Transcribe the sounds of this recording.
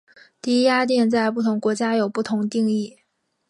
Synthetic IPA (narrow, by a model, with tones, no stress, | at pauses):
t̪i˥˩i˥ja˥t̪jɛ˥˧nt͡sa˥˧ɪpu˥˩t̪ʰʊ˧˥ŋkwɔ˧˥t͡ɕja˥jo˨˩ʊpu˥˩t̪ʰʊ˧˥ŋt̪i˥˧ŋi˥˩